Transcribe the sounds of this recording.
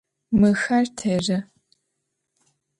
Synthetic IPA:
mɨxɐrtʰeːrɨ

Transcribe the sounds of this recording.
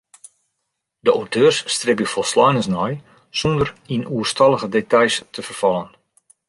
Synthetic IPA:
dəʔowtʰøːrsːtrɪp̬jəfɔlˠslɔjnəsnɔj | sɔndərinuərstɑlˠəɣədetajstʰəfərfɑlən

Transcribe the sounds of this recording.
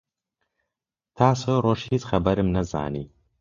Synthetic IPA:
tʰaːsoroʃit͡sχɐbɐɾɨmnɐza̰ːnḭː

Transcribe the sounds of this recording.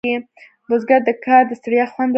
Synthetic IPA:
e | bʊzɡad̪əkʰɑɾd̪əst̪aɾjɑxwand̪

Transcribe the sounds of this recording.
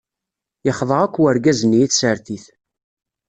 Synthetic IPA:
jəχðˤəʁækʷːwəɾɡæzənːijiθsəɾθiθ

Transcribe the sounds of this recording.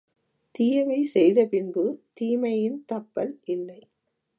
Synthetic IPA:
t̪ɪjɐʋɐɪsɛjðɐpɪnbɯt̪iːmɐjɪnt̪ɐpːɐlʔɪlːɐɪ

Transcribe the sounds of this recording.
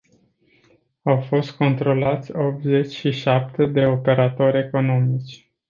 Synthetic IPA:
awfo̞st̪̚ko̞nt̪ɾo̞lat̪sʲo̞p̚t̪ze̞t͡ʃʲʃiʃap̚t̪ed̪e̞o̞pe̞ɾat̪o̞ɾʲe̞ko̞no̞mit͡ʃʲ

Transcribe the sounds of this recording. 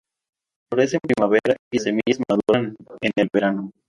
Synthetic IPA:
foɾes̬empɾimaβeɾaisemiʝezmaðuɾanenelβe̞ɾano

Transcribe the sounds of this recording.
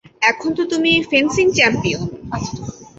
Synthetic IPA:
ɛkʰont̪ot̪umifensiŋt͡ɕɛmpijon

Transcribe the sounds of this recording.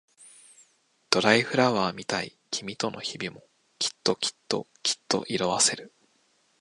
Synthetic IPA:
d̪̥o̞ɾaiɸɯ̟ɾaβaːmʲit̪aikʲimʲit̪o̞nʔo̞çibʲimo̞ | kʲi̥t̪ːo̞kʲi̥t̪ːo̞̰kʲi̥t̪ːo̞̰ʔiɾo̞βase̞ɾɯ̟

